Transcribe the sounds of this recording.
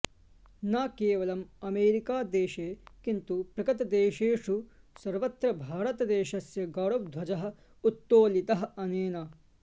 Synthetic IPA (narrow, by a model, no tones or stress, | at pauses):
naːkeːʋɐlɐmɐmeːɾikaːd̪eːʃeːkint̪upɾɐkɐt̪ɐd̪eːʃeːʂu | sɐɾʋɐt̪ɾɐbʱaːɾɐt̪ɐd̪eːʃɐsjɐɡaːɽɐʋ̚d̪ʱʋɐd͡ʒɐɦɐ̆ | ut̪ːoːlit̪ɐɦɐ̆ɐneːnɐ